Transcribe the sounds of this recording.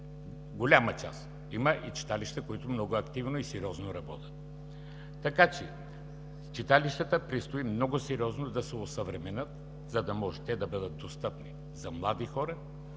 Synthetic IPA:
ɡolʲamɐt͡ʃa̰s | iməʔit͡ʃi̥t̪aliʃt̪əkoit̪ʊmnɔɡʊɐkt̪ivnoisɛɾiɔznoɾɐbɔt̪ʲə̥t̪ː | ɐkat͡ʃɛ | t͡ʃit̪aliʃt̪ət̪əpɾist̪oimnɔɡʊsɛɾiɔznod̪ɐsɛosɐvɾɛmɛnət̪ | zɐd̪ɐmɔʒɛt̪ɛd̪ɐbɤd̪ət̪̚d̪ost̪ɤpni | zɐmlˠad̪ixɔɾɐ

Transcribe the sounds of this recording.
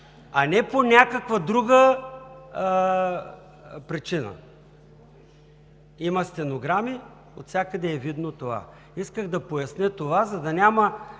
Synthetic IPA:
ɐnɛponʲakəkvəd̪ɾuɡə | pɾit͡ʃinə̰ | imɐst̪ɛnoɡɾami | o̰t̪sʲakəd̪ɛːvid̪not̪ova̰ | iskəɣd̪ɐpojɐsnʲɛt̪ovazɐd̪ɐnʲamɐ

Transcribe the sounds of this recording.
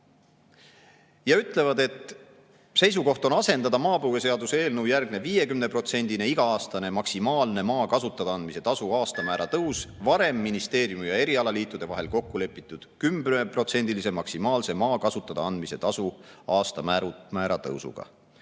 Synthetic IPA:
jɑyt̪ːˑle̞vɑd̪e̞t̪ | se̞js̬uko̞ht̪o̞nɑse̞nd̪ɑd̪ɑmɑːpɤwɡe̞se̞ɑd̪use̞ːlnɤwjærɡne̞viːje̞kymne̞pro̞t̪se̞nʲd̪̥ine̞iɡ̥ɑɑːst̪ɑne̞mɑksimɑːlne̞mɑːkɑsut̪ːˑɑd̪ɑɑnd̪miset̪ɑsuɑːst̪ɑmæːɾɑt̪ɤwsvɑɾe̞mːinist̪e̞ːɾjumijɑe̞ɾiɑlɑliːt̪ˑːud̪e̞vɑɦe̞lko̞kːule̞pːˑit̪ːˑud̪̥kymbepro̞t̪se̞nd̪ilise̞mɑksimɑːlse̞mɑːkɑsut̪ːˑɑd̪̥ɑɑnd̪̥mise̞t̪ɑsuɑːst̪ɑmæɾumæːɾɑt̪ɤ̰wsṵɡ̥ɑ̰

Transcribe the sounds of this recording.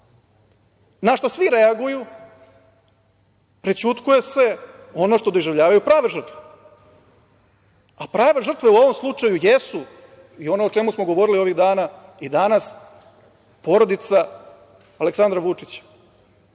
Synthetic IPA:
naʃt̪osʋiɾeaɡuju | pɾit͡ɕut̪kuje̞se̞ | o̞no̞ʂt̪od̪oʒevʎaːʋajupɾaːʋeʐr̩t̪vʋe̥ | apɾaːʋe̞ʐr̩t̪ʋe̞uo̞ʋo̞mslˠut͡ʂajujesu | io̞neot͡ʃemusmo̞ɡo̞ʋo̞ɾilio̞ʋiɣd̪aːnaid̪anas | po̞ɾo̞d̪it̪sa | aleksand̪ɾaʋut͡ʂit͡ɕḁ

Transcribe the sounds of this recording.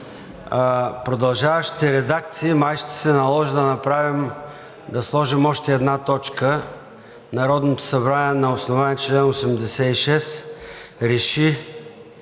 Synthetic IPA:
pɾod̪ɐlˠʒavɐʃi̥t̪ɛɾɛd̪ak̚t̪siːmajʃt̪ɛ̥sɛnɐlˠɔʒid̪ɐnɐpɾavim | d̪ɐslˠɔʒimɔʃt̪ɛːd̪nat̪ɔt͡ʃkə | nɐɾɔd̪not̪o̥sɐbɾaniɛnɐosnovaniɛt͡ʃlɛnosɛmd̪ɛsɛiʃɛs | ɾɛʃi

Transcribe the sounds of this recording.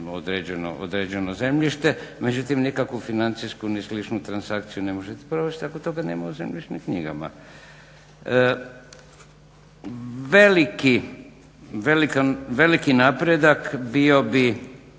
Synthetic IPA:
od̪ɾed͡ʑeno̰ʔo̰d̪ɾeːd͡ʑe̞noze̞mʎiʃt̪eme̞d͡ʑut̪imnikakʋufinant̪sijskunislit͡ʃnut̪ɾansakt̪sijune̞moʒet̪epɾoʋet͡ʃt̪akot̪oɡanḛːmauze̞mʎiʃnimkɲḭɡa̰ma̰ | ʋeliki | ʋe̞likaʋe̞likinapɾed̪akbio̞bi

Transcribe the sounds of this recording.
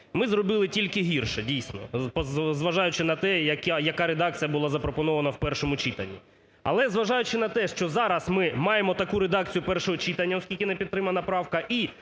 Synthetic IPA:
mɪzrɔbɪlˠɪtʲilʲkɪɦʲirʃɛdʲijsʲnɔpɔzʋɐʒɑjʊt͡ʃɪnɐt̪ɛjɐkajɐkɑɾed̪ɑk̚t͡sʲijɐbʊlˠɑzɐpɾɔpɔnɔʋɐnɐwpɛrʃɔmʊt͡ʃit̪ɐnʲːi | ɐ̰lˠɛzʋɐʒɑjʊt͡ʃɪnɐt̪ɛʃt͡ʃɔzɑɾɐsmɪmɑjemɔt̪ɐkuɾed̪ɑk̚t͡sʲijʊpɛrʃɔɦɔt͡ʃit̪ɐnʲːɐɔskʲilʲkʲɪnɛpʲit̪t̪ːɾɪmɐnɐpɾɑwkɐʔi

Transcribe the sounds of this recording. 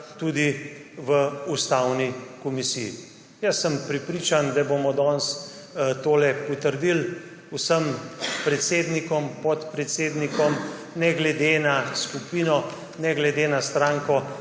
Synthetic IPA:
t̪uːd̪iʋəust̪awnikɔmisiji | jəsːəmpɾɛpɾiːt͡ʃand̪abomɔd̪ɔns | t̪oːlɛpɔt̪əɾd̪il | wsəmpɾɛt̪seːd̪nikɔmpɔt̪pɾɛt̪seːd̪nikɔm | nɛɡlɛd̪enaskupiːnɔ | nɛɡlɛd̪enast̪ɾaːŋkɔ

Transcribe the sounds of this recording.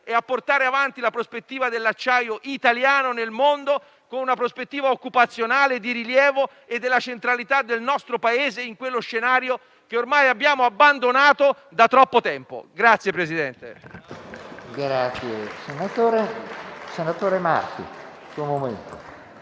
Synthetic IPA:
eapːort̪aːɾeavant̪ilapɾospet̪ːiːvad̪elːat͡ʃːajoʔit̪aljaːnonelmond̪o | konunapɾospet̪ːiːvaokːupat̪sːjonaːled̪iɾiljɛːvo | ed̪ːelːat͡ʃent̪ɾalit̪ad̪ːelnɔst̪ɾopaeːzeiŋkwelːoʃːenaːɾjo | keormajabːjaːmoabːand̪onaːt̪o | d̪at̪ːɾɔpːot̪ɛmpo̰ɡɾat̪sjepɾezid̪ɛnt̪ḛ | ɡɾat̪sjesenat̪oːɾesenat̪oːɾema̰rt̪ḭ | suomoment̪o

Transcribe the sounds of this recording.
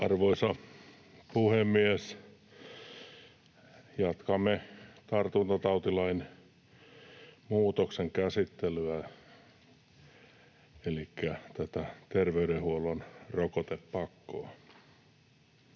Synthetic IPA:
ɑrʋoisɑ | puhemːies | jɑt̪kɑmːet̪ɑrt̪unt̪ot̪ɑut̪ilɑin | muːt̪okseŋkæsit̪ːelyæ | elikːæt̪æt̪æt̪erʋeyɾehuolonrokot̪eppɑkːo̰ɑ

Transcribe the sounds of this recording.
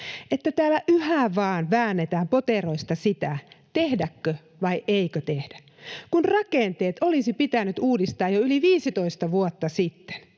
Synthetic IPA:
ʔet̪ːæt̪æːlːæʔyhæʋɑːnʋæːnːet̪æːmpot̪eroist̪ɑsit̪æt̪ehdækːø | ʋɑiʔeikøt̪ehd̥æ | kunrɑkent̪eːt̪olisipit̪ænyt̪uːdist̪ɑːjoyliʋiːsit̪oist̪ɑʋuot̪ːɑsit̪ːe̥n

